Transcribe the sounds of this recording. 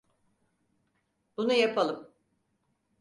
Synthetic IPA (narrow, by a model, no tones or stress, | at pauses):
b̥unujapʰalˠɯm